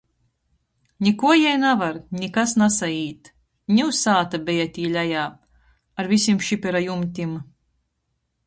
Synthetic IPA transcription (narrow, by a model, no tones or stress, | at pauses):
nʲikuɔjajnavaɾnʲikasnasaiːt̪ | nʲiwsaːt̪abʲɛjat̪ʲiːlʲajaːp | aɾvʲisʲimʃipʲɛɾajumt̪ʲim